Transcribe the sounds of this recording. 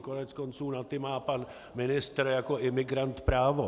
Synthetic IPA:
konɛt͡skont͡suːnat̪ɪmaːpan | mɪnɪst̪ɾjakoʔɪmɪɡɾant̪pɾaːvo

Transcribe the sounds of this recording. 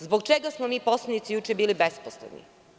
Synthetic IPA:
zboɡt͡ʃeɡasmomiːpo̞slˠanit̪sijut͡ʃebiːlibesposlḛnḭ

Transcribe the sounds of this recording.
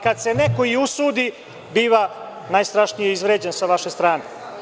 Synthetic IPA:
kad̪se̞nekoiusuːd̪i | biːʋa | najst̪ɾaʃnijeizʋɾeːd͡ʑensaʋaʃe̞st̪ɾaːne

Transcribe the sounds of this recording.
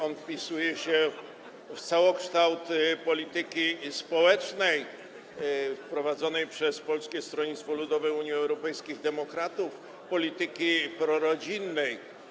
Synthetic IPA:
ɔnfpʲisujɛɕɛ | ft̪sawɔkʂt̪awt̪pɔlʲit̪ɘkʲispɔwɛt͡ʂnɛj | fpɾɔvad̪zɔnɛjpʂɛspɔlskʲɛst̪ɾɔɲit̪st̪fɔlud̪ɔvɛuɲjiɛwɾɔpɛjskʲiɣd̪ɛmɔkɾat̪uf | pɔlʲit̪ɘkʲipɾɔɾɔd͡ʑinːɛj

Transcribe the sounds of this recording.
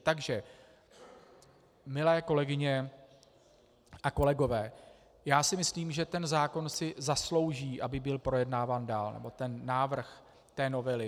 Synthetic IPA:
t̪aɡʒɛ | mɪlɛːko̞lɛɡɪɲɛ | ʔako̞lɛɡo̞vɛː | jaːsɪmɪsliːmʒɛt̪ɛnzaːko̞nsɪzaslo̞wʒiːʔabɪbɪlpɾo̞jɛdnaːvaːndaːlnɛ̰bo̞t̪ɛnːaːvr̩x | t̪ɛːno̞vɛlɪ

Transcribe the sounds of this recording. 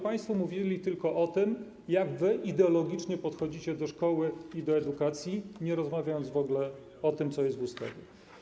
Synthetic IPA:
paj̃st̪fɔmuvʲilʲit̪ɘlkɔʔɔt̪ɘm | jaɡvɘʔid̪ɛɔlɔɡʲit͡ʂɲɛpɔt̪xɔd͡ʑit͡ɕɛd̪ɔʂkɔwɘid̪ɔɛd̪ukat̪sʲjiɲɛɾɔzmavʲajɔnd̪zvɔɡlɛ | ɔt̪ɘmt̪sɔjɛst̪vust̪ɛ̰ɡʲɔ

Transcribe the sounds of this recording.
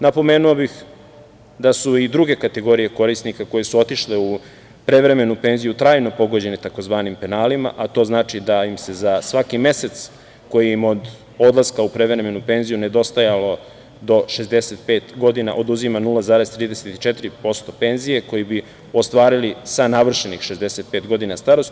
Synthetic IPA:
napo̞me̞ːnuobix | d̪asuid̪ɾuɡe̞kat̪eɡo̞ɾije̞ko̞ɾisnikako̞je̞suo̞t̪iʃleu | pɾe̞ʋɾe̞me̞nupe̞ːnzijut̪ɾaːjno̞po̞ɡo̞d͡ʑe̞net̪ako̞zʋaːnimpe̞naːlima̰ʔat̪o̞ːznaːt͡ʃid̪aimse̞zasʋakime̞se̞t̪s | ko̞jiimo̞d̪ | o̞d̪laskaupɾe̞ʋɾe̞me̞nupe̞nzijune̞d̪o̞st̪ajalo̞ | d̪o̞ʃe̞zd̪e̞se̞t̪pe̞ːt̪ɡo̞d̪ina̰ʔo̞d̪uzimanulazaːɾezt̪ɾiːd̪eset̪i̥t͡ʃe̞t̪iɾipo̞st̪o̞pe̞nzije̞ko̞jibi | o̞st̪ʋaːɾilisanaʋr̩ʃenixʃe̞zd̪e̞se̞t̪̚pe̞ːt̪ɡo̞d̪inast̪aɾos

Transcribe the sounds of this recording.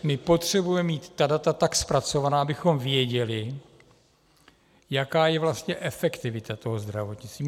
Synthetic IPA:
mɪpo̞t̪r̝̥ɛbujɛmiːt̪ːadat̪at̪akspɾat͡so̞vanaːabɪxo̞mvjɛɟɛlɪ | jakaːjɛvlast̪ɲɛʔɛfɛkt̪ɪvɪt̪at̪o̞ɦozd̪ɾavot̪ɲɪt͡st̪viː

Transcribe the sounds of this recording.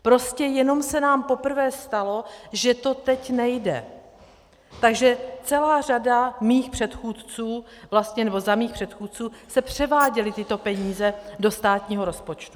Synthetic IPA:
pɾo̞scɛjɛno̞msɛnaːmpo̞pr̩vɛːst̪alo̞ʒɛt̪o̞t̪ɛcnɛjdɛ̰ | t̪aɡʒɛt͡sɛlaːr̝adamiːxpr̝̥ɛt̪xuːt̪t͡suː | vlast̪ɲɛnɛbo̞zamiːxpr̥ɛt̪xuːt̪̚t͡suːsɛpr̥ɛvaːɟɛlɪt̪ɪt̪o̞pɛɲiːzɛdo̞st̪aːt̪ɲiːɦo̞ɾo̞spo̞t͡ʃt̪u

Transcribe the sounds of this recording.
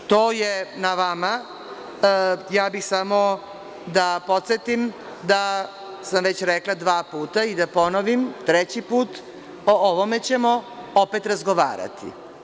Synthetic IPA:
t̪oːjenaʋama | jaːbixsamo | d̪apo̞t̪set̪im | d̪a | samʋet͡ɕɾeklˠad̪ʋaːpuːt̪aid̪apo̞noʋimt̪ɾet͡ɕipuːt̪ | ooʋome̞t͡ɕe̞mo̞opet̪ɾazɡoʋa̰ːɾa̰t̪ḭ

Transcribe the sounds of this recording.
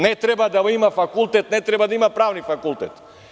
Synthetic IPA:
nɛt̪ɾɛbad̪aimafakulˠt̪ɛt̪nɛt̪ɾɛbad̪aimapɾavnifakulˠt̪ɛt̪

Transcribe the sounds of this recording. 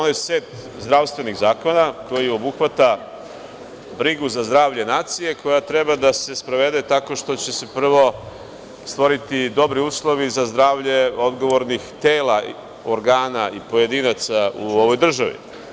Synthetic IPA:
onajeseːt̪ | zd̪ɾaʋst̪ʋe̞niɣzaːko̞nako̞jio̞buxʋat̪a | bɾiɡuzazd̪ɾaːʋʎenaːt̪sije̞kʰo̞jat̪ɾe̞bad̪ase̞spɾaʋe̞d̪et̪ako̞ʃt̪o̞t͡ɕe̞se̞pr̩ʋo̞ | st̪ʋo̞ɾit̪id̪o̞bɾiuːslˠo̞ʋizazd̪ɾaːʋʎe̞od̪ɡo̞ʋo̞ɾnixt̪eːla | oɾɡaːnaipo̞je̞d̪inat̪sauo̞ʋo̞jd̪r̩ʒaʋḭ

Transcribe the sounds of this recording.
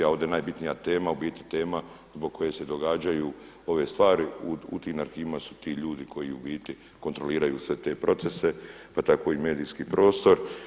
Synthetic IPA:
ao̞ʋd̪e̞naːjbit̪nijat̪e̞ːmaubiːt̪nit̪e̞ːma | zbo̞ɡ̚ko̞je̞se̞d̪o̞ɡaːd͡ʒaju | o̞ʋe̞st̪ʋaːɾiuṵt̪iːnaɾxiːʋimasu̥t̪iːʎuːd̪ikʰo̞jiubiːt̪ni | kont̪ɾo̞liːɾajuːsʋe̞t̪e̞ːpɾo̞t̪se̞se̞pat̪ako̞ime̞ːd̪iːskiːpɾo̞ːst̪o̞ɾ

